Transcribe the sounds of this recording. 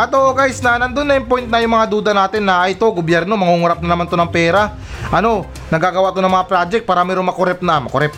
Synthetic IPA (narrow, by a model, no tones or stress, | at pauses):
ʔɐt̪oʔoɡajsnɐnɐnd̪onːɐjɪmpojnt̪nɐjʊŋmɐŋad̪uːd̪ɐnaːt̪ɪnːɐʔajt̪o̞ɡobjɛɾno̞mɐŋuːŋʊɾap̚nɐnɐmant̪onɐŋpɛːɾɐ | ʔɐno̞ | nɐɡaːɡɐwaʔt̪oɐŋmɐŋapɾaːd͡ʒɛk̚t̚paːɾɐmɛːɾoŋmɐkoɾɛp̚nɐmɐkoɾɛp̚